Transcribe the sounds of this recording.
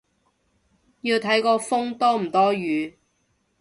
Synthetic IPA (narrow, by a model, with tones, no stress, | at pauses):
jiː˧wt̪ʰɐ˨˥jkɔː˧fʊ˥ŋt̪ɔː˥m̩˨˩t̪ɔː˥jyː˨˧